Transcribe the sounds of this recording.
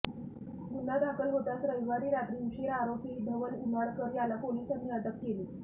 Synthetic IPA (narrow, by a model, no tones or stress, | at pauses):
ɡunad̪akəlɦot̪asɾəʋiʋaɾiːɾat̪ɾimɕiɾaɾopiːd̪ʱəʋəlumaɽkəɾjalapolisəniəʈ̪əkkeliː